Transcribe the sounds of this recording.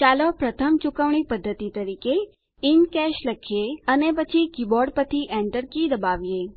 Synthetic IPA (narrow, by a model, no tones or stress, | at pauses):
t͡ʃaːlopɾət̪ʰəmt͡ʃʊkəʋɳ̃ipəd̪ʱːət̪it̪əɾiːke | ɪnkɛʃləkʰjeənepət͡ʃʰikibɔːɾɖ̚pət̪ʰiʔɛ̃ɳʈəɾkid̪əbaːʋjeː